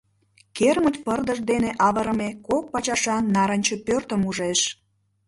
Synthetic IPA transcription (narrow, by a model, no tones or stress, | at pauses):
kermət̪pərd̪əʒd̪eneʔɑβəɾə̆mekok̚pɑt͡ɕɑʃɑnːɑɾənʲt͡ɕəpørt̪əmuʒeʃ